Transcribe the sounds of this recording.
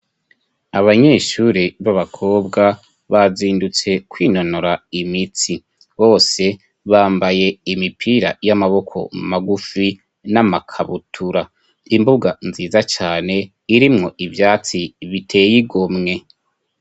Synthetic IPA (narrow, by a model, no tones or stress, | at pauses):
aβaɲe̞ːʃuɾiβaβakʰo̞ːbɡa | βaziːndut͡se̞kwiːno̞noɾaimit͡si | βo̞ːse̞ | βaːmbaje̞imipʰiːɾajamaβo̞kʰo̞̰maɡufi | namakʰaβutʰuɾa | imbuɡanziːzat͡ʃaːne̞ | iɾimŋo̞ʔivjaːt͡siβitʰe̞ːjiɡomŋe̞